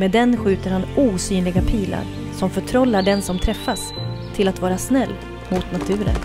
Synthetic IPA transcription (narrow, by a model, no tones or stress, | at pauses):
mɛd̪ɛnɧʉ̟ːt̪əɾhanuːsyːnlɪɡapʰiːla̰ɾ | sɔmfœʈʰɾɔlːaɖɛnsɔmt̪ʰɾɛfːas | t̪ʰɪlat̪vɑːɾasnɛlː | mʊt̪nat̪ʰʉ̟ːɾə̰n